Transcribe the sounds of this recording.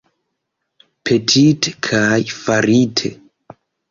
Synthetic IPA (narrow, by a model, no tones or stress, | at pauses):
pʰe̞tʰite̥kʰajfaɾitʰḛ